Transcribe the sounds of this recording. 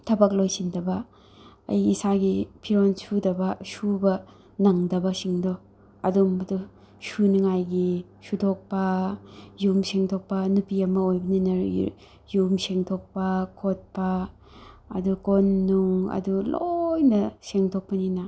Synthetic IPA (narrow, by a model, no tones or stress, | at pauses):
tʰɐbak̚lojsindɐbɐ | ɐ̰jisaɡipʰiɾonsudɐbɐsubɐ | naŋdɐbɐsiŋdɔ | ɐ̰domɐdu | suniŋajɡi | sutʰok̚pɐ | jumseŋtʰok̚pɐnupiɐmɐojbɐninɐ̰ | jumseŋtʰok̚pɐkʰot̚pɐ̰ː | dukonːuŋɐ̰dulojnɐseŋtʰok̚pɐninɐ